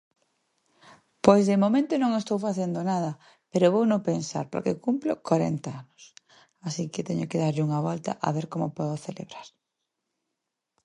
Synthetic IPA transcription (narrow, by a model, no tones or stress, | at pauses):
pojzðemomẽnt̪onõŋest̪owfaθend̪onað̞ɐ | peɾoβownopensa̰ɾpo̰ɾkekumplokaɾḛnt̪aanʊs | asikɪt̪ɛɲokeðaɾʎuŋɐβɔlt̪ɐ̰ʔa̰βeɾkomopɔðoθelḛβɾaɾ